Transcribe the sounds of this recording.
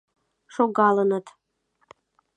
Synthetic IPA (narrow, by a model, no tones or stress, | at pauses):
ʃoɣɑlənət̪